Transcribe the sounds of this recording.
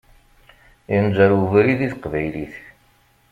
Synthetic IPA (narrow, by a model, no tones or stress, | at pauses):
jənzæɾuvɾiðiθəqvæjliθ